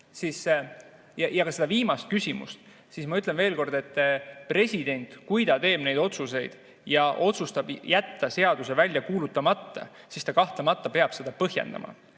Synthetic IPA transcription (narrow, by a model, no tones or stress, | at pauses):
sis | jɑjɑkɑse̞d̪ɑviːmɑst̪̚kysʲimṵst̪ | sismɑyt̪ːˑlenve̞ːlko̞rd̪e̞t̪ːpre̞sʲid̪̥e̞nʲt̪ˑkujd̪ɑt̪e̞ːb̥ne̞jd̪̥o̞t̪suse̞jd̪̥ | jɑʔo̞t̪sust̪ɑb̥jæt̪ːɑse̞ɑd̪̥use̞vælʲjɑkuːlut̪ːˑɑmɑt̪ːɑ̰ | sist̪ɑkɑht̪lɑmɑt̪ːˑɑpe̞ɑb̥se̞d̪ɑpɤɦje̞̰nd̪ɑ̰mɑ̰